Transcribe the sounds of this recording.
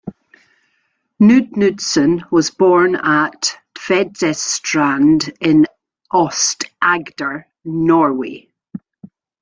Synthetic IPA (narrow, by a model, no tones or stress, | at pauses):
nʉdnʉdsə̃nwɔzbɔɹnəʔv̥ɛdzɛstɹ̥ãndɪ̃n | ʔɔstʔaɡdə˞ | nɔɹwḛ